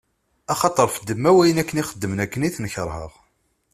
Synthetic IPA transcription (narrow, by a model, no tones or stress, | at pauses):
æχɑt̪ˤəɾˤfəd̪ːəmːæwæjənækːəniχəd̪ːəmənækːəniθnəçəɾˤhə̰ʁ